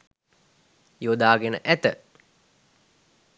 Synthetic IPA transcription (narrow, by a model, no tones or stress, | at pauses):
jod̪aːɡenəʔæt̪ə